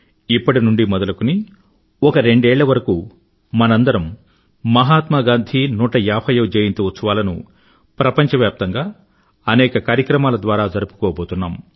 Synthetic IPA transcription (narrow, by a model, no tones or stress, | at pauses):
ipːɐʈinuɳɖimɔd̪ɐlɐkuni | ɔkɐɾe̞ɳɖɛːɭːɐʋɐɾɐkuː | mɐnɐnd̪ɐɾɐmː | ɐɦaːt̪mɐɡaːnd̪ʱinuːʈɐjaːpʰɐjoːd͡ʒeːjint̪uʋɐt͡ʃːuʋaːlɐnṵ | pɾɐpɐɲt͡ʃɐʋjaːp̚t̪ɐŋɡaː | ɐnɛːkɐkaːɾjɐkɾɐmaːlɐd̪ʋaːɾaːd͡ʒɐɾupu̥kɔːboːt̪unːaːm